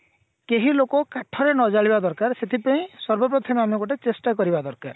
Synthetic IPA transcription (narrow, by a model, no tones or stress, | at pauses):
keɦilokɔkaʈʰɔɾenɔd͡ʒaɭibad̪ɔɾkaɾset̪ʰipaĩsɔɾbɔp̬ɾɔt̪ʰjɔmamɔkoʈet͡ʃesʈakɔɾibad̪ɔɾkaɾ